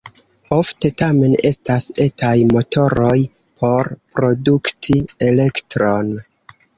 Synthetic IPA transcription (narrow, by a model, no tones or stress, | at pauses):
o̞fte̞tame̞ne̞stase̞tajmo̞to̞ɾo̞j | pʰo̞ɾpɾo̞duktʰie̞le̞ktɾo̞n